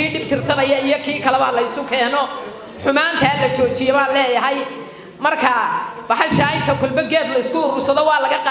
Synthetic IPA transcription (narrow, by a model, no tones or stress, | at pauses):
iːɖɪbt̪ʰɪrsɐnɐjɐijɔkʰiːkʰɐlɛβɐlɐɪsʊkʰɛːnɔ | ħʊmaːnt̪ʰɐlɐt͡ʃɔːt͡ʃɪjɛβaːnlɛːjɐɦɐj | mɐrkʰɐbɑħɑʃaːɪnt̪ʰɐkʰɔlbɛɡɛːd̪lɐɪskʰʊːɾʊsɐðɔwɑːlɐɣɐqɑ